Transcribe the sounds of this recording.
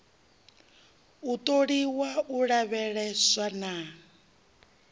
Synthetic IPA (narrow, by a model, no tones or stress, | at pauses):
ut̪ʼoɺiwauɺaβɛɺɛswana